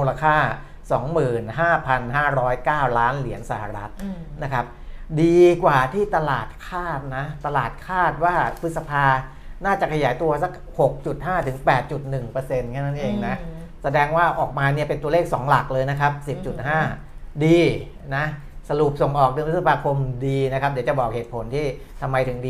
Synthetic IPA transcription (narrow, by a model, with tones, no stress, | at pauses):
uː˧la˧kʰaː˥˩ | sɔː˩˦ŋmɯː˨˩nɦaː˥˩pʰa˧nɦaː˥˩ɾɔː˦˥jkaː˥˩wlaː˦˥nli˩˦ənsa˧˩ha̰˨˩ɾa˦˥t̪̚na˦˥kʰa˦˥p̚diː˧kwaː˨˩t̪ʰiː˥˩t̪a˧laː˨˩t̪̚kʰaː˥˩t̪̚na˦˥t̪a˧laː˨˩t̪̚kʰaː˥˩t̪̚waː˥˩pʰɯ˦˥t̪̚sa˧pʰaː˧ | naː˥˩t͡ɕa˨˩kʰa˧jaː˩˦jt̪u˧ɐsa˦˥k̚ho˨˩k̚t͡ɕu˨˩t̪̚ɦaː˥˩t̪ʰɯ˩˦ŋpɛː˨˩t̪̚t͡ɕu˨˩t̪̚nɯ˨˩ŋpɤː˧se˧nkʰaː˥˩na˦˥nʔeː˧ŋna˦˥ | sa˧dɛː˧ŋwaː˥˩ʔɔː˨˩k̚maː˧ni˥˩ɐpe˧nt̪u˧ɐleː˥˩k̚sɔː˩˦ŋla˨˩k̚lɤː˧jna˦˥kʰa˦˥p̚si˨˩p̚t͡ɕu˨˩t̪̚ɦaː˥˩ | diː˧ | na˦˥ | sa˧ɾu˨˩p̚so˨˩ŋʔɔː˨˩k̚dɤː˧ŋpʰt̪̚sa˧pʰaː˧kʰo˧mdiː˧na˦˥kʰp̚di˩˦wt͡ɕa˨˩bɔː˨˩k̚heː˨˩t̪̚pʰo˩˦nt̪ʰiː˥˩ | t̪ʰa˧mːa˧jt̪ʰɯ˩˦ŋdiː˧